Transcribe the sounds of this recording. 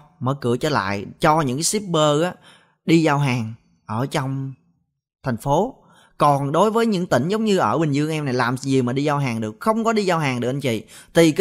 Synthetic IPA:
mə̰ː˧˦kɨ̰˧˩ət͡ɕəː˧˩la̰ː˧˨jt͡ɕɔ˧ɲɨ̰˧˥ŋkːsi˦˥p̚ɓəː˧ʔaː˨˦ | ɗi˧zaː˧wɦaː˨˩ŋ | ʔəː˧˩t͡ɕɔ˧wŋ͡m | t̪ʰa˨˩jŋ̟fo˨˦ | kɔ˨˩nɗo˨˦jvəː˨˦jɲɨ̰˧˥ŋt̪ï˧˩ŋ̟zə˨˦wŋ͡mɲɨ˧ʔəː˧˩ɓi˨˩ŋ̟zɨ˧əŋʔɛ˧mna˨˩jlaː˨˩mzi˨˩əwmaː˨˩ɗi˧zaː˧wɦaː˨˩ŋɗɨ˨˩ək̚xə˧wŋ͡mkɔ˨˦ɗi˧zaː˧wɦaː˨˩ŋɗɨ˨˩ək̚ʔə˧˩ɲt͡ɕḭ˧˨t̪i˨˩k

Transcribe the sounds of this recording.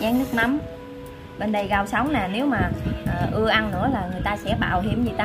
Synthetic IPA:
aː˨˦nɨ˦˥ək̚na˨˦m | ɓe˧nɗə˨˩jɣa˨˩w̚sə˨˦wŋ͡mnaː˨˩ne˨˦wmaː˨˩ʔəː˨˩ʔɨ˧əʔa˧nːɨ̰˧˥əlaː˨˩ŋɨ˨˩əjt̪aː˧sɛ̰˧˥ɓa̰ː˧˩wɦḭ˧˩əmzi˨˩t̪a˧

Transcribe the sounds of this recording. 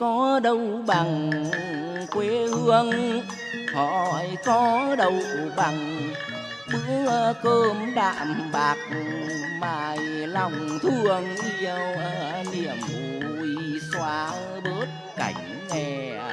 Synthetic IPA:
kɔ˨˦ɗə˧wɓa˨˩ŋ | kwe˨˦hɨ˧əŋ | hɔ̰˧˨jkɔ˨˦ɗə˨˧˩wɓa˨˩ŋ | ɓɨ˧˥kəː˧mɗa̰ː˧˨mɓaː˨˩k̚ŋmaː˨˩jlɔ˧˩wŋ͡mt̪ʰɨ˧˩əŋʔi˧əwʔəː˧˦li˧˩əmu˨˩i˧swaː˧˦ | ɓəː˦˥t̚ | ka˧˩jŋ̟ŋɛ˧˩

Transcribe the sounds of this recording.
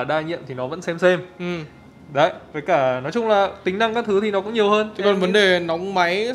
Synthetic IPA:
ɗaː˧˩ɲḭ˧˨əmt̪ʰi˨˩nɔ˨˦və̰˧˥nsɛ˧msɛ˧mʔ̩˨˩ | ɗə˧˩jvə˨˩jkaː˧˩nɔ˨˦jt͡ɕʊ˧ŋ͡mlaː˨˩t̪ï˨˦ŋna˧ŋkaː˦˥k̚t̪ʰɨ˨˦t̪ʰi˨˩nɔ˨˦kʊ̰˧˥ŋ͡mɲi˨˩əwɦəː˧n˨˦kɔ˨˩nvə˨˦nɗe˨˩na˨˦wŋ͡mma˨˦j

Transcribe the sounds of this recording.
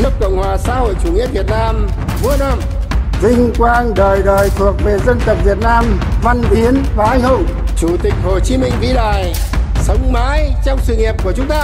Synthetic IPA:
nɨ˦˥əp̚kə̰˧˨wŋ͡mhwaː˨˩sa̰ː˧˥ho̰˧˨jt͡ɕu˨˩ŋi˧˥əvi˨˩ət̚naː˧m | vu˧˥ənaː˧˩m | zï˧ŋkwaː˧ŋɗəː˨˩jɗəː˨˩jt̪ʰu˨˩ək̚ve˨˩zə˧nt̪ə˨˩p̚vi˨˩ət̚naː˧mva˧nɓi˨˦ənɓaː˨˩˨ʔa˧jŋ̟ɦʊ˧˩ŋ͡mt͡ɕu˧˩t̪ï˨˩k̟̚ho˨˩t͡ɕi˨˦mï˧ŋ̟vi˧˥ɗa̰ː˧˨j | sə˨˦wŋ͡mmaː˨˦jt͡ɕɔ˧wŋ͡msɨ̰˧˨ŋi˨˩p̚ku˧˩ət͡ɕʊ˨˦ŋ͡mt̪aː˧

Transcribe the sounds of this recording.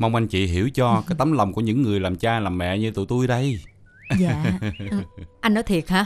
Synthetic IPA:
mə˧wŋ͡mʔa˧jŋ̟t͡ɕḭ˧˨ɦi˧˩əwt͡ɕɔ˧kaː˨˦jt̪ə˨˦mlə˨˩wŋ͡mku˧˩əɲɨ̰˧˥ŋːɨ˨˩əjlaː˨˩mt͡ɕaː˧laː˨˩mːɛ̰˧˨ɲɨ˧˥t̪ṵ˧˨t̪u˧jɗə˧j | ʔa˧jnɔ˨˦jt̪ʰi˨˩ət̚haː˧˥

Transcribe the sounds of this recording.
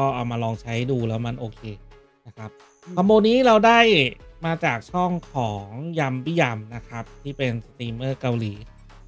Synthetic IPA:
kɔː˥˩ʔa˨˩wmaː˧lɔː˧ŋt͡ɕʰa˦˥jduː˧lɛː˦˥wma˧nʔoː˧kʰeː˧ | na˦˥kʰa˦˥p̚ʰ | a˧mːboː˧nːiː˦˥ɾa˧wdaː˥˩jmaː˧t͡ɕaː˨˩k̚t͡ɕʰɔ˥˩ŋkʰɔː˩˦ŋja˧mbi˦˥˩ja˧mna˦˥kʰa˦˥p̚t̪ʰiː˥˩pe˧nsa˧t̪iː˧mɤː˥˩ka˧wliː˩˦

